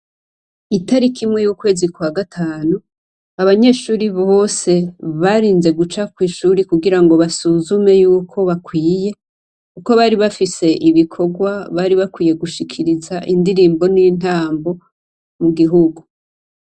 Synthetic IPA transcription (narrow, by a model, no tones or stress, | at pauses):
itaɾikʰimŋe̞juːkwe̞ːzikwaɡatʰaːnu | aβaɲe̞ʃuːɾiβo̞ːse̞βaɾiːnze̞ɡut͡ʃakwiːʃuːɾikuɡiɾaŋɡo̞βasuzume̞juːkʰo̞βakwiːje̞ | kuko̞βaːɾiβafise̞ʔiβikʰo̞ɡwaβaɾiβakwiːje̞ɡuʃikʰiɾizaʔindiɾiːmbo̞nin̥aːmbo̞ | muɡiɦuɡu